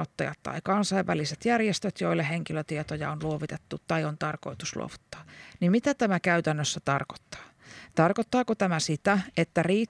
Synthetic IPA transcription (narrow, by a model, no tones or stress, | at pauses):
ot̪ːɑ̰jɑ̰t̪tːɑ̰ikɑnsɑiʋʋæ̰liset̪jærjest̪øt̪joilːeɦeŋkiløt̪iet̪ojɑ̰onluoʋit̪et̪ːutt̪ɑiont̪ɑrko̰it̪uslṵo̰ʋut̪ːɑ̥ːnimmit̪æt̪æmækæyt̪ænːøsːæt̪ɑrko̥t̪ːɑ̥ː | t̪ɑrkot̪ːɑːkot̪æmæsit̪æet̪ːæriː